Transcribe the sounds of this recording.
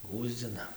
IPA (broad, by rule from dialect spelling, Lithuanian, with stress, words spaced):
ˈɡuːzʲd͡zʲɪnɐ